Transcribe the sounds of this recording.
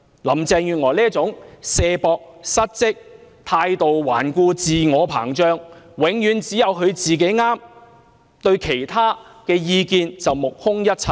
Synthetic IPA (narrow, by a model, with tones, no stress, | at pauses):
lɐ˨˩mt͡sɛː˧ŋjyː˨nŋɔː˨˩liː˥t͡sʊ˨˥ŋsɛː˧pɔː˧k̚sɐ˥t̚t͡sɪ˥k̚t̪ʰaː˧jt̪o˨wwaː˨˩nkuː˧t͡siː˨ŋɔː˨˧pʰaː˨˩ŋt͡ʃœː˥ŋ | wɪ˨˥ŋjyː˨˧˥nt͡siː˨˥jɐ˨wɦɵ˨˧ɥt͡siː˨ke˨˥jŋaː˥m | t̪ɵ˧ɥkʰe˨˩jt̪ʰaː˥kɛː˧jiː˧kiː˧nt͡sɐ˨wmʊ˨k̚hʊ˥ŋjɐ˥t̚t͡sʰɐ˧˩j